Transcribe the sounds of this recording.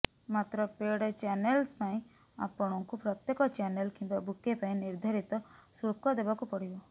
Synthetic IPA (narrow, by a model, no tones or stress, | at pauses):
mat̪ɾɔpeɽet͡ʃanelspaĩ | a̰pɔɽ̃ɔŋkupɾɔt̪jekɔt͡ʃanelkimbabukepaĩniɾd̪ʱaɾit̪ɔsɾukɔd̪ebakupɔɽibɔ